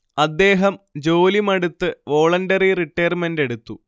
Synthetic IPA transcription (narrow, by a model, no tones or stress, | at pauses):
ɐd̪ːe̞ːɦɐmd͡ʑo̞ːlimɐɽut̪ːɨʋo̞ːɭɐndɐririʈːɐjɐrme̞nde̞ɽut̪ːu